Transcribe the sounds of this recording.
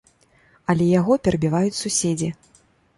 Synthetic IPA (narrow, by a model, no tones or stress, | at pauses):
ɐlʲɛjaɣɔpʲɛɾɐbʲivajut͡sʲsusʲed͡zʲi